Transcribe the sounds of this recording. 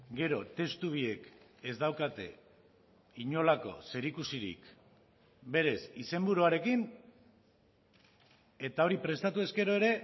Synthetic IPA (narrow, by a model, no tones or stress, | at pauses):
ɡe̞ɾo̞t̪e̞st̪uβ̞ie̞ke̞zd̪awkat̪e̞ | iɲo̞lako̞̰se̞ɾikusiɾḭk | be̞ɾe̞sise̞mbuɾuaɾe̞kin | e̞t̪ao̞ɾipɾe̞st̪at̪ue̞ske̞ɾo̞e̞ɾe̞